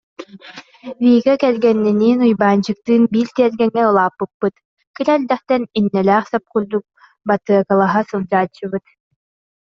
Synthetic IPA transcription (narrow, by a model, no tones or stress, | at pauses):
viːɡɛkɛlɡɛnːiniːnujbaːnt͡ɕɯk̚t̪ɯːnbiːɾt̪iɛɾɡɛŋːɛɯlˠaːpːɯpːɯt̪ | kiɾɛld̪ɛχt̪ɛninːɛlæːχsap̚kuɾd̪uk̚ | bat̪ɯɐkalˠaɦasɯlˠd͡ʑaːt͡ɕːɯbɯt̪